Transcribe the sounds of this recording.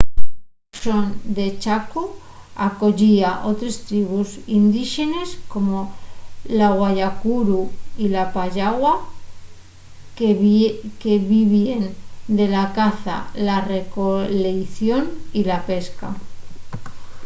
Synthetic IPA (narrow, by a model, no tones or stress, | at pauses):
ʃond̪e̞t͡ʃaku | ako̞ʝiaʔo̞t̪ɾe̞st̪ɾiβ̞usind̪iʃe̞ne̞sko̞mo̞laɣwaʝakuɾuilapaʎaɣwa | ke̞βiβiend̪e̞lakaθa̰lare̞kolejθjo̞nilape̞ska̰